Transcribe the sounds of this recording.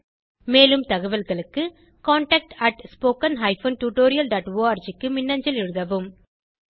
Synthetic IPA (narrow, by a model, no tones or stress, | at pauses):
meːlɯmt̪ɐɣɐʋɐlɣɐɭɯkːɯ | kaːɳʈɐk̚ʈɐʈspoːkɐnɦɐɪfoːnʈuːʈoːɾɪjɐlɖaːʈʋoːɐːɾd͡ʒɪkːɯmɪnːɐɲd͡ʒɐlɪɻɯðɐʋɯm